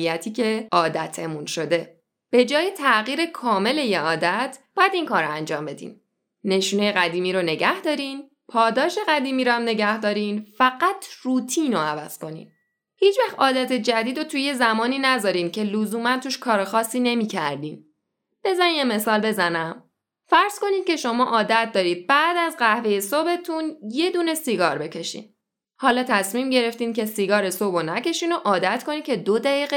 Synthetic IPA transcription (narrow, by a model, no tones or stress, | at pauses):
ijæt̪ʰiːcʰeɒːd̪æt̪ʰemunʃo̞d̪e̞ | b̥e̞d͡ʒɒːjet̪ʰæɣiːɾekʰɒːme̞le̞jeʔɒːd̪æt̪ʰb̥ɒːjæd̪inkʰɒːɾænd͡ʒɒːmbe̞d̪ḭːn | ne̞ʃuːnejeɣæd̪iːmiːɾone̞ɟæhd̪ɒːɾin | pʰɒːd̪ɒːʃe̞ɣæd̪iːmiːɾoæmne̞ɟæhd̪ɒːɾiːnfæɢæt̪ʰruːt̪ʰiːnoævæz̥ko̞nḭːn | hiːt͡ʃvæxɒːd̪æt̪ʰed͡ʒæd̪iːd̪ot̪ʰuje̞zæmɒːniːnæzɒːɾiːncʰe̞lozuːmænt̪ʰuːʃkʰɒːɾexɒːsːiːne̞miːcʰæ̰ɾd̪iːn | b̥e̞zænimjeme̞sɒːlbe̞zænæm | fæɾz̥ko̞niːd̪̥̚ce̞ʃo̞mɒːʔɒːd̪æt̪̚ʰd̪ɒːɾiːd̪̥̚bæʔd̪æzɢæhve̞je̞sobe̞t̪ʰunje̞d̪uːne̞siɡɒːɾbe̞cʰe̞ʃḭːn | hɒːlɒːt̪ʰæsmiːmɟe̞ɾe̞ft̪iːnce̞siɡɒːɾesobonæce̞ʃiːnoʔɒːd̪æt̪ʰkʰo̞niːkcʰe̞d̪od̪æiːɣe